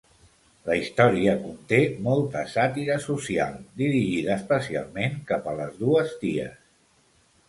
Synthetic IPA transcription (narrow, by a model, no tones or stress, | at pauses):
ləist̪ɔɾiəkunt̪emɔlˠt̪əsat̪iɾəsusia̰lˠd̪iɾiʒiðəːspəsia̰lˠmeŋkapələzðuəzt̪iə̰s